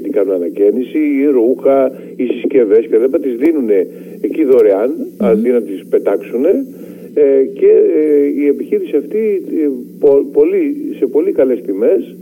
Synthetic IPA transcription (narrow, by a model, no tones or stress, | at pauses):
t̪ikɐnunɐnɐce̞nisiːɾuxɐ | isisce̞ve̞sket̪ɐlipɐt̪ɐt̪izðinune̞ː | ciðo̞ɾeɐnɐðinɐt̪ispe̞t̪ɐksune̞ | ce̞ie̞piçiɾisiɐft̪i | popo̞lise̞po̞likɐle̞st̪ime̞s